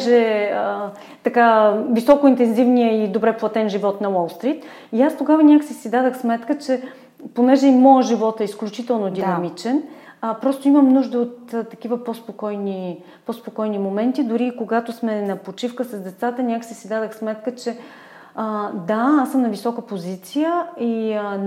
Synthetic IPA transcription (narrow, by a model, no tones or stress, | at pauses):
ʒɛə | t̪ɐkavisɔkʊint̪ɛnzivnijəid̪obɾɛplˠɐt̪ɛnʒivɔt̪nɐwɔlˠst̪ɾit̪ | iast̪oɡavənʲakəsisid̪ad̪əxsmɛt̪kət͡ʃɛ | ponɛʒɛimɔjəʒivɔt̪ɛisklʲut͡ʃit̪ɛlˠnod̪inɐmit͡ʃɛn | pɾɔst̪oiməmnuʒd̪əot̪ːɐk̟ivəpospokɔjni | pospokɔjnimomɛnt̪id̪ʊɾiːkoɡat̪osmɛnɐpot͡ʃifkəsɐzd̪ɛt̪sat̪ənʲakə̥sisid̪ad̪əxsmɛt̪̚kət͡ʃɛ | əd̪aasəmnɐvisɔkəpozit̪sijəi